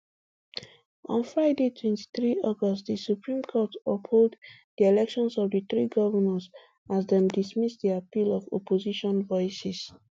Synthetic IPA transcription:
ɔ̰̃nfɹaɪdetʰwɛ̃nti̥θɹiɔɡɔstðisupɹĩmkʰɔtɔpholdðielɛkʃɔ̃nsɔvðɨθɹiɡɔvənãns | azðɛ̃mdismisdiapilɔvɔ̰poziʃɔ̃nvɔɪsis

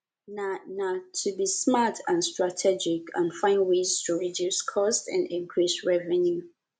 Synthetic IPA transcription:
nanatʰubismatʰãnstɹatʰɛd͡ʒɪkãnfãɪ̃nwez̥tʰuɹidjuskʰɔstã̰ndɛ̃ŋkʰɹisɹɛvɛ̃nju

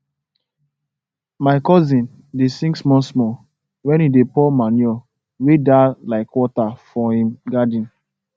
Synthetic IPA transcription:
maɪkɔzĩn | desĩŋksmɔ̃nsmɔ | wɛ̃nidepɔmanjɔ | wedalaɪkwɔtafɔhĩmɡadĩn

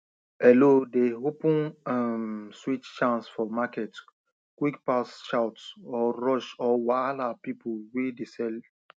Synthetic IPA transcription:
ɛlodeɦopũnamswit͡ʃt͡ʃãnsfɔmakɛt | kwikpasʃawtɔɹɔʃɔwalapipuwedesɛl

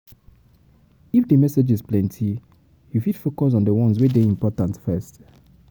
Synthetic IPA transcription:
ifdəmɛsed͡ʒizplɛ̃ntʰi | jufidfokɔs̬ɔ̃ndəwɔ̃nswedeĩmpɔtãntfɛst

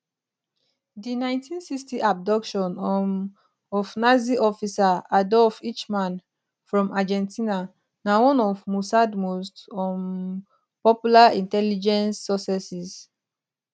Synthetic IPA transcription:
dinãj̃ntʰĩnsikstiʔab̚dɔkʃɔ̃nɔ | ɔvnaziʔɔfisaadɔfit͡ʃmãn | fɹɔ̃mʔad͡ʒɛ̃ntʰina | nawɔ̃nɔfmusadmostɔn | pɔpjulaĩntɛlid͡ʒɛ̃nsːɔsɛsis

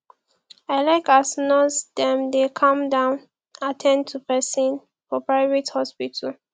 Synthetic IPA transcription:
ɛlɛkasnɔsdɛ̃mdekʰãmdãʊn | atʰɛ̃nd̚tʰupɛsĩn | fɔpɹaɪvethɔspitʰal

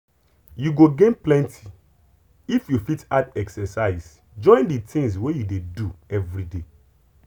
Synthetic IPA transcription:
juɡoɡẽnplɛ̃ntʰi | ifjufitadɛksɛsaɪs | d͡ʒɔ̃ɪ̃nditĩŋswejudeduɛvɾide

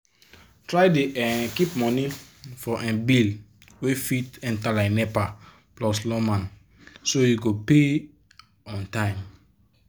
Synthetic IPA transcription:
tɹajdeɛkipmɔ̃nifɔʔɛ̃nbil | wefitɛ̃ntalaɪnɛpa | plɔslɔmãn | sojuɡope | ɔ̃ntãɪ̃m

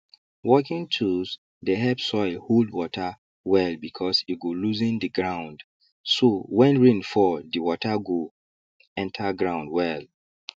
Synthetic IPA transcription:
wɔkĩntʰus | deɦɛpsɔɪlhuldwɔtʰa | wɛlbikʰɔsiɡoluzĩndiɡɹãʊ̃nd | sowɛ̃nɹĩnfɔdiwɔtʰaɡo | ɛ̃ntʰaɡɹãʊ̃ndwɛl

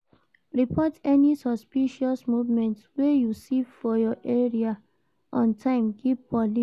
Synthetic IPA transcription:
ɹipʰɔtɛnisɔspiʃɔsmuvmɛ̃ntswejusivfɔjɔʔɛɹia | ʔɔ̃ntʰãɪ̃mɡivpɔli

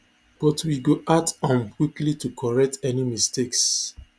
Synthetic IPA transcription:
b̥ɔtwiɡoʔatɔ̃nmkwiklitukʰɔɹɛk̚tɛnimisteks

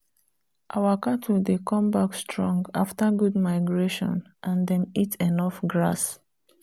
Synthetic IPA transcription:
ʔawakatʰudekʰɔ̃mbakstʰɹɔ̃ŋɡa̰ftəɡud̚maɪɡɹeʃɔ̰̃n | ʔãndɛ̃mitʰenɔfɡɹa̰s

